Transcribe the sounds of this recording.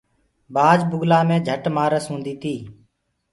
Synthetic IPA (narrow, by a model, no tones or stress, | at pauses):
baːd͡ʒbʊɡlaːmẽːd͡ʒʱəʈmaːɾəsũːnd̪iːt̪ʰiː